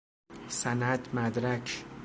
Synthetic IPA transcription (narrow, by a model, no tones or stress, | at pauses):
sænæd̪mæd̪ɾækʰ